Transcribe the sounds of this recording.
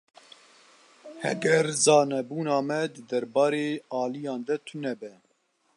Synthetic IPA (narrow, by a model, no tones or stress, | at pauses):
hɛ̰ɡɛɾzɑːnɛbuːnɑːmɛd̪ɨd̪ɛɾbɑːɾeːɑːlijɑːnd̪ɛt̪ʰʊnɛbɛ